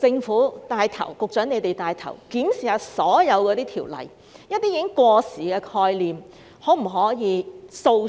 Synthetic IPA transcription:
t͡sɪ˧ŋfuː˨˥t̪aː˧jt̪ʰɐ̰˨˩wkʊ˨k̚t͡ʃœː˨˥ŋne˨˧t̪e˨jt̪aː˧jt̪ʰɐ̰˨˩wkiː˨˥msiː˨˩hɐ˨˩wsɔː˨˥jɐ˨˧wkɔː˧t̪iː˥t̪ʰiː˨˩wlɐ̰˨˩j | jɐ˥t̚t̪iː˥i˨˥ŋkwɔː˧siː˨˩kɛː˧kʰɔː˧jliː˨m | ho˨˥m̩˨˩ɦɔː˨˥jiː˨˧so˧w

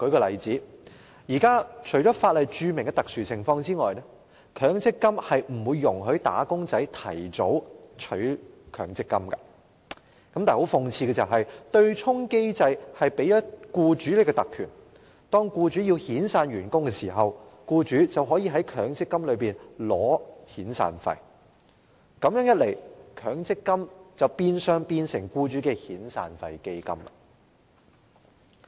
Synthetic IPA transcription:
kɵ˨˥kɔː˧lɐ˨jt͡siː˨˥ | jiː˨˩kaː˥t͡ʃʰɵ˨˩ɥt͡ʃɔː˨˥faː˧t̚lɐ˨jt͡ʃyː˧mɪ˨˩ŋkɛ˧t̪ɐ˨k̚syː˨t͡sʰɪ˨˩ŋfɔː˧ŋt͡siː˥ŋɔ̰ː˨jnɛ˥ | kʰœː˨˥ŋt͡sɪ˥kːɐ˥mhɐ˨jm̩˨˩wuː˨˧jːʊ˨˩ŋɦɵ˨˧˥ɥt̪a̰ː˨˥kʊ˥ŋt͡sɐ˨˥jt̪ʰɐ̰˨˩jt͡so˨˥wt͡ʃʰɵ˨˥kʰœ̰ː˨˩ŋt͡sɪ˥kːɐ˥mkɐ˧ | kɐ˨˥mt̪aː˨ho˨˥wfʊ˨˧ŋt͡sʰiː˧kɛː˧t͡sɐ˨wɦɐ˨jt̪ɵ˧ɥt͡ʃʰʊ˥ŋke˥jt͡sɐ˧jhɐ˨jpe˨˥jɐ˥t̚kuː˧t͡ʃyː˨˥le˨˥kɛ˧t̪ɐ˨kʰːyː˨˩n | t̪ɔː˥ŋkuː˧t͡ʃyː˨˥jiː˧whiː˨˥nsaː˧nɥyː˨˩nkʊ˥ŋkɛː˧siː˨˩ɦɐ˨wkuː˧t͡ʃyː˨˥t͡sɐ˨wɦɔː˨˥jiː˨˧ɦɐ˨˥jkʰœː˨˥ŋt͡sɪ˥kːɐ˥mlɵ˨˧ɥpiː˨nlɔː˨˥hiː˨˥nsa̰ː˧nfɐ̰˨˧j | kɐ˨˧mjœː˨˥ŋjɐ˥t̚le˨˩jkʰœː˨˥ŋt͡sɪ˥kːɐ˥mt͡sɐ˨wpiː˧nsœː˧ŋpiː˧nsɪ̰˨˩ŋkuː˧t͡ʃyː˨˥kɛ˧hiː˨˥nsa̰ː˧nfɐ̰˨jke˥jkɐ̰˥mlɐ̰˨

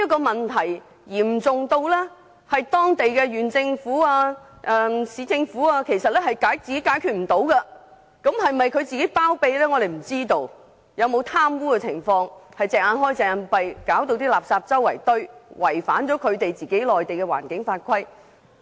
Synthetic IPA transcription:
i˥ɐ˥kːɔː˧mɐ˨˩nt̪ʰɐ˨˩j | jiː˨˩m̩˨˩t͡sʊ˨ŋt̪o˧wlɛː˥ | hɐ˨jt̪ɔː˥ŋt̪e˨jkɛ˧jyː˨nt͡sɪ˧ŋfuː˨˥aː˧ | ʔɛ˧siː˨˧t͡sɪ˧ŋfuː˨˥aː˧kʰe˨˩jsɐ˨t̚lɛː˥hɐ˨jkaː˨˥jt͡siː˨ke˨˥kaː˨˥jkʰyː˨t̚m̩˨˩t̪o˨˥wkɐ˧ | kɐ˨˥mhɐ˨˩jmɐ˨jkʰɵ˨˧ɥt͡siː˨ke˨˥jpaː˥wpe˧jlɛː˥ŋɔ˨˧ɾe˨jm̩˨˩t͡siː˥t̪o˧w | jɐ˨˧wmo˨˧wt̪ʰaː˥mwuː˥kɛ˧t͡sʰɪ˨˩ŋfɔː˧ŋhɐ˨jt͡sɛː˨k̚ʔaː˧nɦɔː˥jt͡sɛː˨a˨˧npɐ˨jkaː˨˥wt̪o˧wt̪̬iː˥laː˨p̚saː˧p̚t͡sɐ˥wːɐ˨˩jt̪ɵ˥ɥwɐ˨˩jfa̰ː˨˥nt͡ʃɔː˨˥kʰɵ˨˧ɥt̪e˨jt͡siː˨ke˨˥jlɔː˨jt̪e˨jkɛ˧wa̰ː˨˩nkɪ˨˥ŋfaː˧t̚kʰɐ˥j

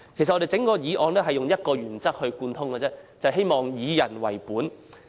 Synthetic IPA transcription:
kʰe˨˩st̚ɔ˧e˨jt͡sɪ˨˥ŋkɔː˧jiː˨˧ʔɔː˧nt̪ɛ˥ɦɐ˨jʊ˨ŋjɐ˥t̚kɔː˧ɥyː˨˩nt͡sɐ˥k̚hɵ˧ɥkuː˧nt̪ʰʊ˥ŋkɛː˧t͡sɛ˥t͡sɐ˨ɦe˥jmɔː˨ŋjiː˨˧jɐ˨˩nwɐ˨˩jpuː˨˥n

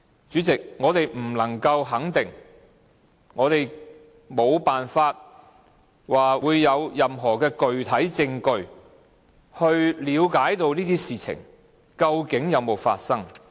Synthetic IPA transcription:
t͡ʃyː˨˥t͡sɪ˨k̚ŋɔː˨˧t̪e˨jm̩˨˩lɐ˨˩ŋkɐ˧wɦɐ˨˥ŋt̪ɪ˨ŋ | ŋɔː˨˧t̪e˨˩j | mo˨˧wpaː˨nfaː˧t̚ | waː˨uː˨˧jːɐ˨˧wjɐ˨mɦɔː˨˩kɛː˧kɵ˨ɥt̪ʰɐ˨˥jt͡sɪ˧ŋkɵ˨˧ɥ | hɵ˧ɥliː˨˧wkaː˨˥jt̪o˧wniː˥t̪iː˥siː˨t͡sʰɪ̰˨˩ŋ | kɐ˧wkɪ˨˥ŋjɐ˨˧wmo˨wfa̰ː˧t̚sɐ˥ŋ

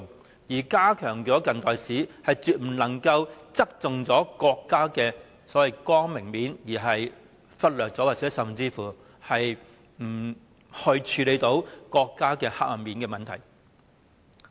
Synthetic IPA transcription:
ŋ | jiː˨˩kaː˥kʰœː˨˩ŋt͡sɔː˨˥kɐ˨nt̪ɔː˨jsiː˨˥hɐ˨jt͡syː˨t̚m̩˨˩lɐ˨˩ŋkɐ˧wt͡sɐ˥k̚t͡sʊ˨ŋt͡sɔː˨˥kɔː˧kːaː˥kɛː˧ | sɔː˨˥wɐ˨jkɔː˥ŋmɪ˨˩ŋmiː˨˥njiː˨˩ɦɐ˨j | fɐ˥t̚lœː˨t̚t͡sɔː˨˥waː˨t͡sɛː˨˥sɐ˨˩mt͡siː˧fuː˨˩ | hɐ˨j | m̩˨˩ | hɵ˧ɥt͡ʃʰyː˨˧le˨˧jt̪o˨˥wkɔː˧kːaː˥kɛː˧ha̰ː˧k̚lɐ˨˩mmiː˨nkɛː˧mɐ˨nt̪ʰɐ˨˩j

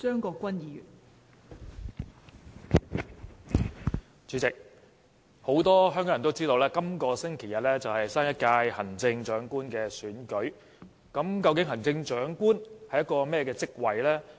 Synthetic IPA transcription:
t͡ʃœː˥ŋkɔː˧kːʷɐ˥njiː˨˧jy̰ː˨˩n | t͡ʃyː˨˥t͡sɪ˨k̚ | ho˨˥wt̪ɔː˥ɦœː˥ŋkɔː˨˦ŋɐ˨˩t̪wt͡siː˥t̪o˧wlɛː˥kɐ˥mkɔː˧sɪ˥ŋkʰe˨˩jɐ˨t̚lɛː˥t͡sɐ˨whɐ˨jsaː˥njɐ˥t̚kaː˧jhɐ˨˩nt͡sɪ˧ŋt͡ʃœː˨˥ŋkuː˥nkɛː˧syː˨˥nkɵ˨˥ɥ | kɐ˨˥mkɐ˧wkɪ˨˥ŋɦɐ˨˩nt͡sɪ˧ŋt͡ʃœː˨˥ŋkuː˥nhɐ˨jɐ˥t̚kːɔː˧mɛː˥kɛː˧t͡sɪ˥k̚wɐ˨jlɛː˥

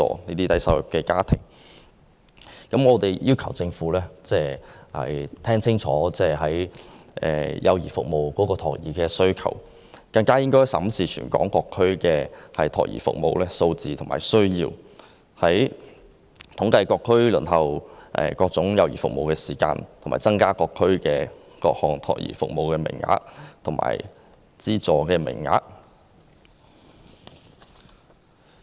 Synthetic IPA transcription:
ɔ̰ː˨niː˥t̪iː˥t̪ɐ˨˥jsɐ̰˧˩wjʊ˨p̚kːɛː˧kaː˥t̪ʰɪ̰˨˩ŋ | kɐ˨˥mŋɔː˨˧t̪e˨jjiː˥wkʰɐ˨˩wt͡sɪ˧ŋfuː˨˥lɛː˥t͡sɛː˥˩hɐ̰˨jt̪ʰɛː˥ŋt͡sʰɪ˥ŋt͡sʰɔː˨˥t͡sɛː˥˩ɦɐ˨˥jʔɛ̰ː˨jʔɐ̰˨˧wjiː˨˩fʊ˨k̚mo˨wkɔː˨˥kɔː˧t̪ʰɔ̰ː˨˩k̚jiː˨˩kɛː˧sɵ˥ɥkʰɐ̰˨˩w | kaː˧nkaː˥jɪ˥ŋkɔː˥jsɐ˨˥msiː˨˩t͡ʃʰy̰ː˨˩nkɔ̰ː˨˥ŋkɔː˧kʰːɵ˥ɥkɛː˧hɐ˨jt̪ʰɔ̰ː˨˩k̚jḭː˨˩fʊ̰˨k̚mo̰˨wlɛː˥so˧wt͡siː˨t̪ʰʊ˨˩maː˨˩jsɵ˥ɥjiː˧w | hɐ˨˥j | t̪ʰʊ˨˥ŋkɐ˧jkɔː˧kʰːɵ˥lɵ˨˩nɦɐ˨wʔɛ̰ː˨kɔː˧k̚t͡sʊ˨˥ŋjɐ˨˧wjiː˨˩fʊ̰˨k̚mo˨wkɛː˧siː˨˩ka̰ː˧nt̪ʰʊ˨˩maː˨˩t͡sɐ˥ŋkaː˥kɔː˧kʰːɵ˥ɥkɛː˧ | kɔː˧k̚hɔː˨˩ŋt̪ʰɔ̰ː˨˩kjḭː˨˩fʊ̰˨k̚mo˨wkɛː˧mɪ̰˨˩ŋŋa̰ː˧˥k̚t̪ʰʊ˨˩ŋma̰ː˨˩j | t͡siː˥t͡sɔː˨kɛː˧mɪ̰˨˩ŋŋa̰ː˧k̚

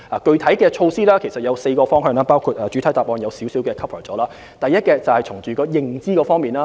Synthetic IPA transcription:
aː˨kɵ˧ɥt̪ʰɐ˨˥jkɛː˧t͡ʃʰo˧wsiː˥laː˥kʰe˨˩jsɐ˨t̚jɐ˨˧wse˧jkɔː˧fɔː˥ŋɦœː˧ŋlaː˥paː˥wkʰu˨˧˩t̚aː˨t͡ʃy˨˥t̪ʰɐ˨˥jt̪aː˨p̚ʔɔː˨˧njɐ˨˧wsiː˨˥wsiː˨˥wkɛː˧kʰɐ˥pʰəː˨˩t͡sɔː˨˥laː˥ | t̪ɐ˨˩jːɐ˥t̚kɛː˧t͡sɐ˨˩whɐ˨jt͡sʰʊ˨˩ŋt͡ʃyː˨˩kɔː˧jɪ˨ŋt͡siː˥kɔː˧fɔː˥ŋmiː˨˩nlaː˥

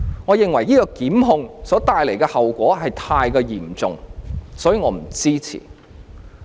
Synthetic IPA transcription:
ŋɔː˨˧jɪ˨ŋwɐ˨˩jiː˥kɔː˧kiː˨˥mɦʊ˧ŋsɔː˨˥t̪aː˨˧jle˨˩jkɛː˧hɐ˨wkʷɔː˨˥ɦɐ˨jt̪ʰaː˧jkɛː˧jiː˨˩mt͡sʊ̰˨ŋsɔː˨˥jiː˨˧ŋɔː˨˧˥m̩˨˩t͡siː˥t͡sʰḭː˨˩

